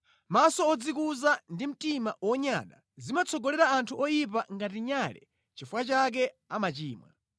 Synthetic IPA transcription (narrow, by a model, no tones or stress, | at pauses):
masɔɔd͡zikuzandim̩timawɔɲa̰ːɗa̰ | zimat͡sʰɔɡɔlɛɾaːntʰuɔjipaŋɡatiɲalɛ̰ | t͡ʃifwat͡ʃak̬ɛ | amat͡ʃiːmwa̰